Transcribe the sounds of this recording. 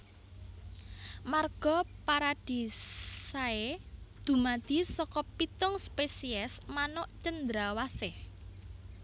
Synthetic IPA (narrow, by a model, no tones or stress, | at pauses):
marɡ̥ɔ̤paɾad̪̥i̤saed̪̥ṳmad̪̥i̤sɔkɔpit̪ʊŋspesiɛsmanɔʔt͡ʃənd̪ɾawasɪh